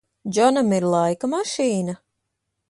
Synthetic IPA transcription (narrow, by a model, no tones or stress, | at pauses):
d͡ʒɔnamiɾlˠajkamaʃiːna